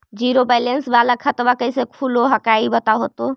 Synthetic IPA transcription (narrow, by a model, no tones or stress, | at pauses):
d͡ʒiɾobajlensbalakʰət̪bakəjsekʰuloɦəkaibət̪aɦot̪o